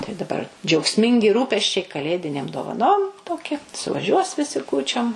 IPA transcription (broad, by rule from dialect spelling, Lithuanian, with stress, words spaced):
tɐɪ dɐ bɐr d͡ʒʲɛʊkˈsʲmʲɪŋʲɡʲɪ ˈruːpʲɛsʲt͡ʃʲɛɪ kɐˈlʲeːdʲɪnʲeːm doːʋɐˈnoːm ˈtoːkʲɛ sʊʋɐˈʒʲuɔs ʋʲɪˈsʲɪ ˈkuːt͡ʃʲoːm